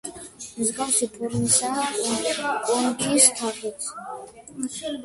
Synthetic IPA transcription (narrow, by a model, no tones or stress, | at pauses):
mzɡawsipʰʼɛɾnisa | ɔnkʰist̪ʰaχɛs